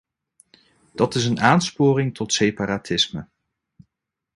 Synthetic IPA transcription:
d̥ɑtɪs̬ənaːnspʊːrɪŋtʰɔtsejpaːɾaːtʰɪsmə̰

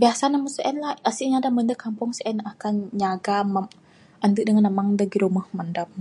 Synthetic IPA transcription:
biasanaməsəʔɛnlaəsiʔɲadaməndəkampʊŋsʔɛnakanɲaɡama | ʔənd̪uʔ̚dəŋanəmaŋdaɡiɾuməhmandam̚

